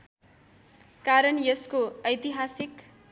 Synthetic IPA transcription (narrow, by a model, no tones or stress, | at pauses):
kaɾʌnjʌskoʌjt̪iɦasik